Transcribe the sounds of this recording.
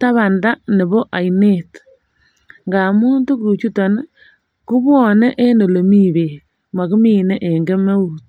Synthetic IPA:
ta˦βa˨nda˦ne˨bɔ˦ʔa˨jne˦t | ŋɡa˨mu˦nto˦kɾu˨t͡ʃu˦ta˨n˦ | ku˦bɔ˨nɛ˦ʔe˦no˨lo˨mi˦˨be˨ | ma˨ku˦mi˦ne˦ʔe˨ŋɡe˦me˦u˨t̚

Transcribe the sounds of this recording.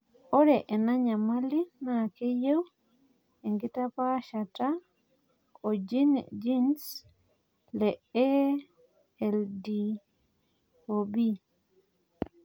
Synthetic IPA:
o˦ɾɛ˨ʔɛ˨na˦ɲa˨ma˦li˦na˨ke˦je˦w | ɛ˨ŋɡɪ˦ta˦pa˦ʃa˨ta˦ | o˨d͡ʒi˦n̰d͡ʒi˦ns | lɛ˨ɛ˦ | ɛldi˨ | obi˦

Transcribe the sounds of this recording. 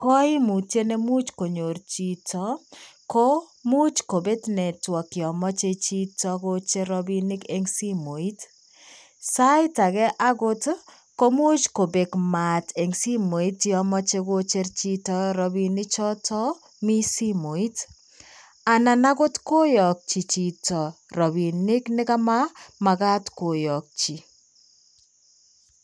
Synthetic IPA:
kɔ˦i˦mu˨te˦ne˦mu˦t͡ʃko˨ɲo˨ɾt͡ʃi˨tʰɔ˨˦ko˦ | mu˦t͡ʃko˨be˦tnɛ˨twɔ˨kɪ˨ɔ˨mɔ˦t͡ʃe˦t͡ʃi˦tɔ˦ko˦t͡ʃe˦ɾɔ˦bi˦nɪ˦ke˨ŋsi˦mo˨i˦t | sa˦ɪ˦ta˨ɡɛ˦ʔa˦ɡo˦t | ko˦mu˦t͡ʃko˨be˨kma˨te˨ŋsi˦mo˨i˦tːiɔ˦mɔ˦t͡ʃe˦ko˦t͡ʃe˦rt͡ʃi˦tɔɾɔ˨bi˨nɪ˦t͡ʃɔ˦tɔ˦ | mi˦si˦mo˨i˦t | a˨na˨na˦ko˦tko˦jɔ˨k̚t͡ʃi˨t͡ʃi˨tɔ˨rɔ˨bi˨nɪ˦knɪ˦ka˦ma˦ma˨ka˦tko˨jɔ˨k̚t͡ʃi˨

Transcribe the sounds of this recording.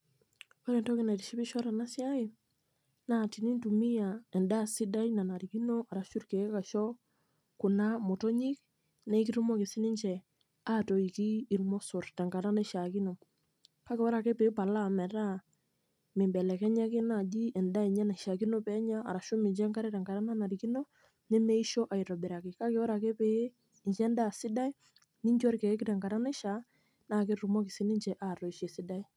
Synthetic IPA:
wa˦ɾɛ˨ntɔ˦kɪ˦na˨ti˨ʃi˦pi˦ʃɔ˦ɾa˨na˦sɪ˦a˦ɪ˨ | na˨ti˨ni˦ntu˨mi˦ja˨ɛ˨nda˦si˦da˦jna˨na˨ɾi˨ki˦nɔ˦a˨ɾa˨ʃu˦ɾke˨˦ka˨ʃɔ˦ | kʊ˨na˦mo˨tɔ˦ɲi˦k̚ | na˦i˦ki˦ɾu˦mɔ˦kɪ˨sɪ˦nɪ˦ɲt͡ʃɛ˨ | a˦tɔ˨i˨kiː˦˨ɾmɔ˦sɔ˨rtɛ˨ŋka˨na˦na˦ʃa˨ki˦no˨ | ka˦kɪ˨wɔ˦ɾa˨kɛ˦pɛ˨ɪ˦pa˨la˦˨mɛ˨ɾa˦ | mɪ˨mbɛ˨lɛ˨kɛ˦ɲɛ˦kɪ˦na˦˨d͡ʒi˦ɛ˨nda˦i˨ɲɛ˦na˨ʃa˨ki˦nɔ˦pɛ˦ɲaː˦˨ɾa˨ʃʊ˦mɪ˨ɲt͡ʃɛ˦ŋka˦ɾɛ˦tɛ˨ŋɡa˨ɾa˦na˦na˨ɾi˨ki˦nɔ˦ | nɪ˦mɛ˦i˦ʃɔ˦ʔa˨i˨ɾɔ˨bɪ˨ɾa˨kɪ˨ka˦kɪ˦wɔ˦ɾa˨kɛ˦pɛ˦˨ | ɲd͡ʒɛ˦nda˦˨sɪ˦da˦i˦ | ni˦ɲd͡ʒɔ˦ɾkɛ˨ɛ˦kɪ˦tɛ˨ŋɡa˨ɾa˦na˦ʃa˨˦ | na˦kɪ˦ɾu˨mɔ˦kɪ˨sɪ˦nɪ˦ɲt͡ʃɛ˨ʔa˦˨tɔ˨i˨ʃe˨sɪ˦da˦i˦

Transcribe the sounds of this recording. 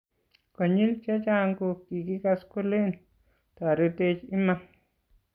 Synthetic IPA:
kɔ˨ɲi˦lt͡ʃa˦t͡ʃa˦ŋkoki˨ki˦kasku˦le˦n | ta˨ɾe˦tet͡ʃi˦ma˦m

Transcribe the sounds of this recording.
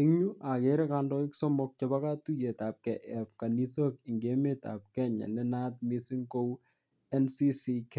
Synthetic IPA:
ɪ˦ŋɲu˦ʔa˨keɾɪkandɔ˦ɪksɔ˦mɔk̚t͡ʃɛba˦ka˦tu˦je˨t̪a˨p̚kɛʔɛp̚ka˨ni˦sokɪ˨ŋɡe˦met̪a̰˨p̚kɛ˦ɲa̰˨lɛ˦na˦t̚mɪ˦sɪ˦ŋko˦w | ɛ˦nsi˦sikɛ˨

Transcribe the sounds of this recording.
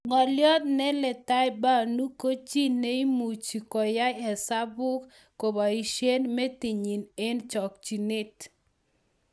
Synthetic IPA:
ŋɔ˨ljɔ˦t̪̚nɛ˦lɛ˨ta˦jba˦˨nu˦ko˦t͡ʃi˦ne˦i˦mu˨t͡ʃi˨kɔ˨ja˦ɛ˨sa˦bʊ˦k | kːo˨ba˨i˨ʃje˦nmɛ˦ti˨ɲi˨ne˦nt͡ʃɔ˨k̚t͡ʃi˨nɪ˦t

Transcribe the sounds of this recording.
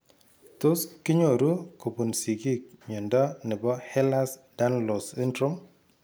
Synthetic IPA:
to˦skɪ˦ɲo˨ɾu˦ko˨bu˨nsi˨ɡi˦k̚ɲɔ˨ndɔ˦nɪ˨bɔ˦hɛ˦la˦sda˦nlɔ˨si˦ndɾʊ˦m

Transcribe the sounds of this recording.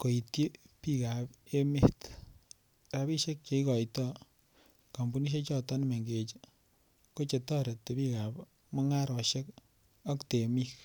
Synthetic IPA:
ko˨i˨tki˦pi˦ka˨pe˦me˦t | ɾa˨bi˦ʃe˦k̚t͡ʃe˨i˦kɔ˨jtɔ˦ | ka˨mbu˨˦ni˦e˦t͡ʃɔ˦tɔ˦nme˨ŋɡe˨t͡ʃ | ko˦t͡ʃe˨tɔ˦ɾe˨tte˨pi˦ka˨p | mɔ˦ŋa˦ɾɔ˨ʃe˦k | ɔ˦kte˨mi˦k

